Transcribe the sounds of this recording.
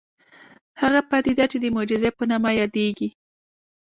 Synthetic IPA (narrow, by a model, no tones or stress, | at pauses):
haɣapat̪id̪at͡ʃed̪əmod͡ʒɪzepənamajɑd̪eɡi